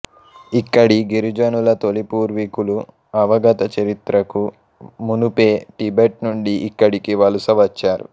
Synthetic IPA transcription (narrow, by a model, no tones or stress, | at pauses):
ikːɐɽiɡiɾud͡ʒɐnulɐt̪o̞lipuːɾʋikulu | ɐʋɐɡɐt̪ɐt͡ʃɐɾit̪ɾɐku | munupe̞ːʈibeʈ̚nuɳɖiʔːkːɐɽikiʋɐlusɐʋɐt͡ʃːaːɾṵ